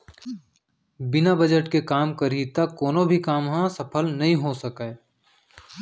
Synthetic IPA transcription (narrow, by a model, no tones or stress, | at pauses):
bɪnabəd͡ʒəʈkekaːmkəɾit̪akːoːnobʱikaːmɦãsəpʰəlnɐɦĩɦosəkeː